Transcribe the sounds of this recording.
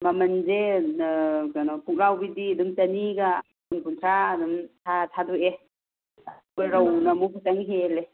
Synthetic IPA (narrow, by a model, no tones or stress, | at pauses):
mamɐnze | kanɔpʰuk̚lawbididumt͡ʃɐniɡa | unpʰuntʰɾaːdumtʰatʰadue | ɾawnamupʰutaŋɦele